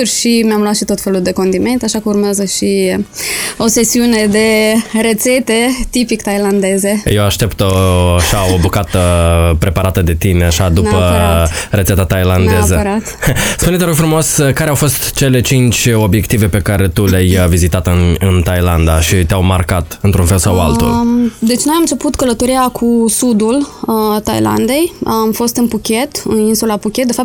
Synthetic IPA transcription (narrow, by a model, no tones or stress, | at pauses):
rʃimeamluat̪ʃit̪o̞t̪fe̞luld̪e̞ko̞nd̪ime̞nt̪aʃakəurmeazəʃi | o̞se̞siune̞d̪e̞re̞t̪se̞t̪e̞t̪ipikt̪ajland̪e̞ze̞je̞waʃt̪e̞pt̪oaʃao̞bukat̪əpɾe̞paɾat̪əd̪e̞t̪ine̞aʃad̪upəre̞t̪set̪at̪ajland̪ezəɾat̪spunet̪eɾoɡfɾumo̞skaɾeawfo̞st̪t͡ʃe̞le̞t͡ʃint͡ʃʲo̞bje̞kt̪ive̞pe̞kaɾe̞t̪uleajvizit̪at̪ɨnɨnt̪ajland̪aʃit̪eawmarkat̪ɨnt̪ɾunfe̞lsawa̰lt̪ṵld̪e̞t͡ʃʲno̞jamnt͡ʃe̞put̪kələt̪o̞ɾiakʰusud̪ult̪ajla̰nd̪e̞jamfo̞st̪ɨnpukʲe̞t̪ɨninsulapukʲet̪d̪efap̚t̪